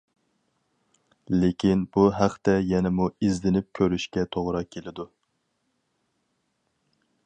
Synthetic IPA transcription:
lekʲinbuɦæqt̪ɛjɛnɛmuizlɪnɪp̚kʲʰøɾyʃkʲɛt̪ʰoʁɾɑkʲʰelɪd̪u

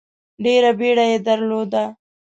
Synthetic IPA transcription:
ɖeɾabeɽajed̪aɾlod̪a

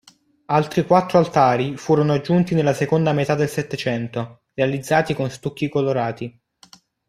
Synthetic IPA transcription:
alt̪ɾikwat̪ːɾoalt̪aːɾifuːɾonoad͡ʒːunt̪inelːasekond̪amet̪ad̪ːelset̪ːet͡ʃɛnt̪o | realid̪zːaːt̪ikonst̪ukːikoloɾaːt̪i

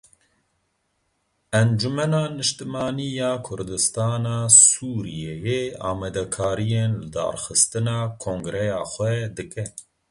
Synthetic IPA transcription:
ɛnd͡ʒumɛnɑːnɨʃt̪ɨmɑːnijɑːkʰʊɾd̪ɨst̪ɑːnɑːsuːɾijejeɑ̰ːmɛd̪ɛkʰɑːɾijeːnlɨd̪ɑ̰ːɾxɨst̪ɨnɑːkʰõːŋɡɾɛjɑːxʷwɛd̪ɨkɛ

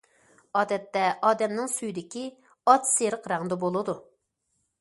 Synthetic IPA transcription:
ɑːd̪ɛt̪ːɛʔɑːd̪ɛmnɪŋsyjd̪ɪkʲi | ɑt̪seɾəqɾɑŋd̪ɛbolˠɨd̪u

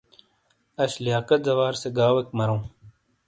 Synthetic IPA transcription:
ɐɕlijaːkɐt̪̚zɐwaːɾseɡaːwɐkmɐɾõː

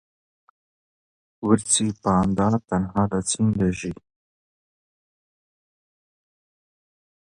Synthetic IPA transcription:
wəɾt͡sipɑːnd̪ɑt̪anɦɑːd̪at͡sinlaʒi

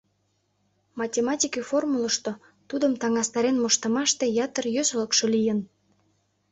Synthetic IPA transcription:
mɑtʲemɑtʲikiformulə̆ʃt̪o | t̪ud̪əmt̪ɑŋɑst̪ɑɾenmoʃt̪ə̆mɑʃt̪ejɑt̪ərjøsləkʃolijən

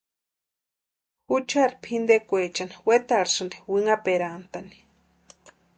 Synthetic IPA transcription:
xut͡ʃaɾipʰind̪ekʷet͡ʃaniwet̪aɾsɨnd̪e̥wiŋapeɾant̪ani̥

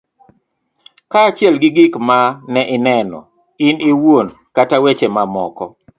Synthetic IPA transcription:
kaːt͡ʃɪɛlɡɪɡɪkmanɛʔɪnɛnɔ̰ | iniwon | katawet͡ʃemamɔkɔ

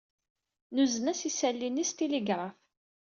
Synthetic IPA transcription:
nuzənæsisælːinist̪iliɡɾˤɑf

